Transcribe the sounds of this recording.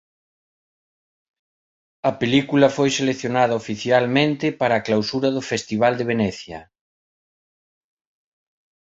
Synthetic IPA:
ɐpelikulɐfojseleθjonaðɐofiθjalmẽnt̪ɪpaɾaːklawsuɾɐðʊfest̪iβ̞ald̪eβ̞enɛθjɐ̰

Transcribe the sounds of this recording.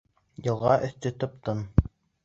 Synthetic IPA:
jɤ̆lˠʁɑʔɵ̆θt̪ɵt̪ŏp̚t̪ɤn

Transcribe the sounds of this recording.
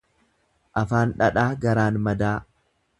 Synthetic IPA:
ʔɐfaːnᶑɐᶑaːɡɐɾaːnmɐd̪aː

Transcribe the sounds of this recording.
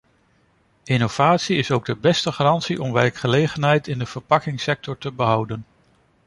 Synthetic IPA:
ʔɪnov̥aːtsiɪsowɡ̚dəbɛstəχarɑntsiʔɔmʋɛɹkχəlejχənɦɛjtɪndəv̥əɹpɑkɪŋsɛk̚tɔɹtəbəɦʌwdən

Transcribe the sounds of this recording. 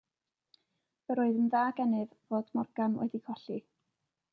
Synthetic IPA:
əɾoːɨðənðaːɡɛnɨðvoːd̥mɔrɡ̥anwʔɛ̰dikʰɔɬi

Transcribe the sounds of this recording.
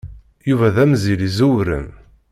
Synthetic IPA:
juvæðæmzilizuwɾə̰m

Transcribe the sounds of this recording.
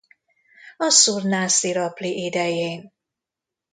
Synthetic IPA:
ɒsurnaːsiɾɒpliʔid̪ɛjeːn

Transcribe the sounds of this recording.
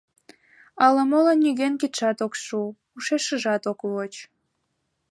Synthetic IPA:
ɑləmolənyɣenkit̪ʃɑt̪okʃu | uʃeʃəʒɑt̪okβot͡ɕ

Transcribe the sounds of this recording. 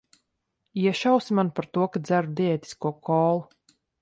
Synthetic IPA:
iɛʃawsimanpaɾt̪uɔkad̪zæɾud̪iɛt̪i̥skuɔkɔːlˠu

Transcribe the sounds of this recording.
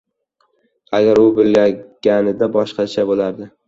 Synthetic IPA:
aɡʲaɾʊbɪlːaɡʲanɪd̪abɒʃqɑt͡ʃʰabolaɾd̪ɪ

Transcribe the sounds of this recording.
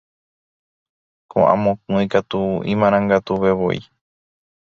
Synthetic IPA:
kõ̰ʔã̰mõkũikat̪uḭ̃mãɾ̃ãŋɡat̪uʋe̞ʋo̞̰ḭ

